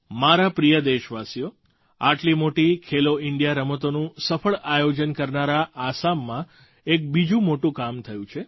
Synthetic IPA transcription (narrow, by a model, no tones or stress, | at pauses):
maɾapɾijəd̪eʃʋasijo | aʈlimoʈikʰeloɪɳɖjaɾəmət̪onũsəfəɭajod͡ʒənkəɾnaɾaʔːsamːã | ek̚bid͡ʒũmoʈũkamt̪ʰəjũt͡ʃʰe